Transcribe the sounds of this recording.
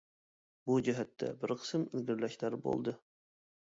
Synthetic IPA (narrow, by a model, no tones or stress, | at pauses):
bud͡ʒæɦæt̪ːæ̰bɪɾqʰə̥səmɪlɡɘɾlæʃlæɾbo̰lˠd̪ɤ